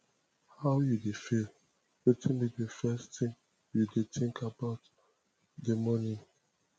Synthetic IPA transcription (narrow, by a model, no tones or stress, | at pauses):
haʊjudefil | lɛtʰĩnbidəfɛstɪ̃ŋ | judetʰɪ̃ŋkʰabaʊt | dəmɔni